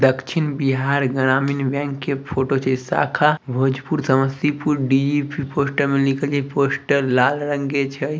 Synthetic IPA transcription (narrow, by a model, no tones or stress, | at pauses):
d̪əkʃʰinbiɦaɾɡəɾ̃aːminbjɛ̃ŋkːepʰoʈot͡ʃʰesa̰kʰabʱod͡ʒpuɾsəməst̪ipuɾɖid͡ʒipiposʈəɾmẽlikʰəld͡ʒʰeposʈəɾlalɾə̃ŋɡet͡ʃʰə